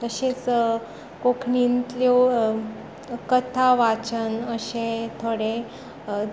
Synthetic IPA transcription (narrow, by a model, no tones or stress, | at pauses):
t̪əɕet͡s | kokʰɳint̪lo | kət̪ʰaʋat͡ɕənəɕẽt̪ʰoɽe